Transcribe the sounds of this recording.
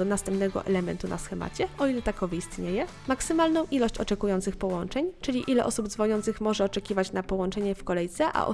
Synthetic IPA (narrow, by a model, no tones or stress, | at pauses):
ɔnast̪ɛmpnɛɡɔ̰ʔɛ̰lɛmɛnt̪unʔa̰sxɛma̰t͡ɕɛɔilɛt̪akɔviist̪ɲejɛ | maksɘmalnɔ̃w̃ʔilɔɕt͡ɕɔt͡ʂɛkujɔnt̪sɘxpɔwɔnt͡ʂɛɲt͡ʂɘlʲiʔilɛ̰ʔɔsubd̪zvɔɲɔnt̪sɘxmɔʐɛɔt͡ʂɛkʲivat͡ɕnapɔwɔnt͡ʂɛɲɛfkɔlɛjt̪sɛʔa̰ʔɔ̰